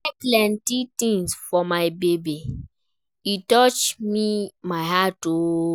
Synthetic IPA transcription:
klɛntitĩŋsfɔmaɪbebi | itɔt͡ʃmimaɪɦato

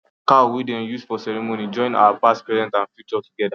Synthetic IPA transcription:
kawidɛ̃njusfɔsɛɹimonid͡ʒɔ̃ɪ̃na̰wapastpɹɛzɛ̃ntãnfjut͡ʃɔtuɡɛda

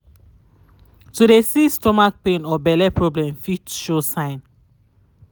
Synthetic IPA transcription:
tuɾesistɔmak̚pẽnɔbɛlɛpʰɹɔblɛ̃mfitʃosãɪ̃n

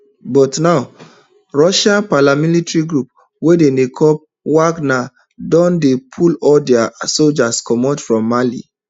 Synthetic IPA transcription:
bɔtnaʊ | ɹɔʃãnpalamilitɹiɡɹup̚ | wedenekʰɔp̚ | waɡna | dɔ̃ndepʰulɔldɛasold͡ʒaskɔmɔtfɹɔ̃mːalḭ

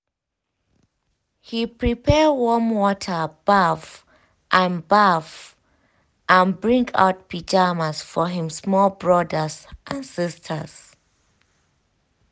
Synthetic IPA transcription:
hipʰɹipʰɛwɔmwɔtʰəb̥av | ʔãnbav | ʔə̃nbɹĩŋɡʰa̰ʊt̚pʰid͡ʒamasfɔɦĩmsmɔlbɹɔdəzʔãnsistʰəz̥

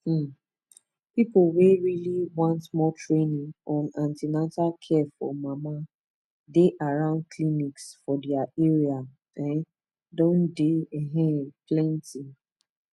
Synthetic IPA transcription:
pipoweɹiliwãntmɔtɹenĩŋɔ̃nãntinatalkʰɛfɔ̰mama | deʔaɹãʊ̃nd̚kʰliniksfɔdɛaʔeɹia | ɛ̃n | dõndeɛɦɛ̃plɛ̃nti

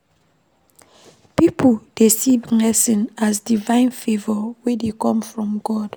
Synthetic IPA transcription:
pipʰod̥esivlɛsĩnas̬divãɪ̃nfevɔwedekɔ̃mfɹɔ̃mɡɔd̥

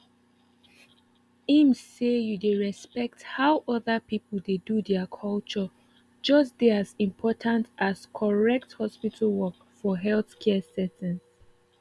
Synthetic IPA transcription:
ĩmsːejudeɹɛspɛk̚thaʊʔɔðəpipəlˠdedudɛəkʰɔlt͡ʃɔ | d͡ʒʌs̬deazĩmpʰɔtʰãntaskʰɔɹɛk̚thɔspitʰəlˠwɔk | fɔɦɛlθkʰɛsɛtə̃ns

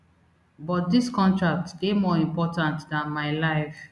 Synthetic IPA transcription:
bɔt̚diskɔ̃ntɹak̚tɡemɔĩmpɔtãntdãnmaɪlaɪf

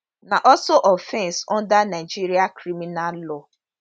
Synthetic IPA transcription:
naʔɔsoʔɔfɛnsɔndanaɪd͡ʒiɾiakɾiminallɔ

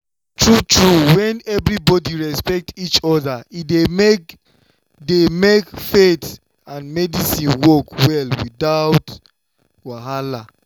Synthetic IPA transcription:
tɹutɹuwɛ̃nɛvɾibɔdiɹɛspɛk̚tit͡ʃɔðaideme | demekfet | ãnmɛdisĩnwɔkwɛlwidaʊt | waɦala

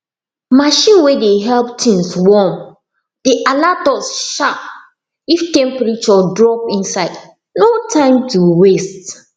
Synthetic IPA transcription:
maʃĩnwedeɦɛlp̚tĩŋswɔm | d̥eʔalatɔsʃap̚ | iftɛ̃mpɛɹit͡ʃɔdɹɔpĩnsaɪd | notʰãɪ̃mtuwest

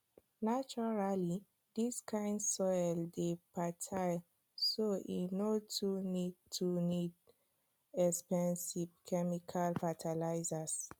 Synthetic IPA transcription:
nat͡ʃɔɹali | diskʰãɪ̃ndsɔjldepatʰa | soʔḭnotʰunidtʰunid | ɛkspɛ̃nsivkʰɛmikʰalfatʰalaɪzas

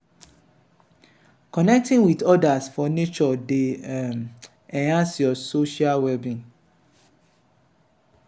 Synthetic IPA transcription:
kɔnɛk̚tĩŋwitɔdasfɔnet͡ʃɔdeɛm | ɛ̃ãsjɔsoʃialwɛbĩŋ

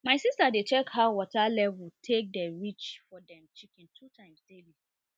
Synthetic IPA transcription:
mãɪsistadet͡ʃɛkhaʊwɔtʰalɛvutʰek̚dɛɹit͡ʃfɔdɛ̃mt͡ʃikɛ̃ntʰutʰãɪ̃mstelĩ

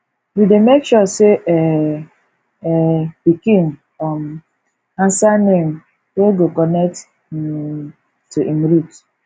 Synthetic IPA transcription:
widemekʃɔseʔɛ | ɛbikĩnfɔm | ãnsanem | weɡokɔnɛk̚t | i | tuʔimɾut

